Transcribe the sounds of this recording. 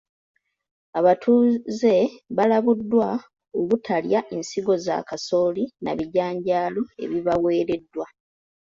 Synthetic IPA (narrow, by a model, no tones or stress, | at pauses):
aβatʰuːze̞βalaβudːwa | oβutʰaljaʔensiɡo̞za̰kaso̞ːlinaβiɟaːɲɟaːlo̞e̞̰βiβawe̞ːɾe̞dːwa